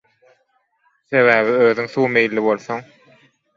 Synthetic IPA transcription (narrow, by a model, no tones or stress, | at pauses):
θe̞βæːβiøːðyŋθuːme̞jlːiβo̞lˠθoŋ